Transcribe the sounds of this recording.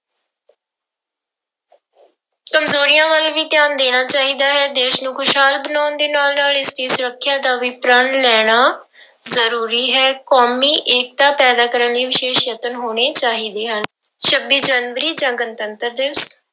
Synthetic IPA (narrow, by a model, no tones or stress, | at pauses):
kəmzoːɾɪjãːʋəlʋiːt̪ɪjaːnd̪eːɽ̃aːt͡ʃaːɦiːd̪aːɦɛːd̪eːʃnũːkʰʊʃɦaːlbənaːnd̪eːnaːlnaːlɪst̪iːsʊɾəkʰːjaːd̪aːʋiːpɾaːnlɛːɽ̃aː | zəɾuːɾiːɦɛːkoːmiːʔeːk̚t̪aːpɛːd̪aːkəɾənliːʋɪʃeːʃjət̪ənɦoːɽ̃eːt͡ʃaːɦiːd̪eːɦən | ʃəbːiːd͡ʒaːnʋəɾiːd͡ʒãːɡənt̪ənt̪əɾd̪ɪʋs